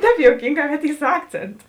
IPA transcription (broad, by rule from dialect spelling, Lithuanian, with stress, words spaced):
ˈtʲɛːp joːʊˈkʲiːŋˌɡɑː kɐt ˈiː sʊ ˈɑːkt͡sʲeːntʊ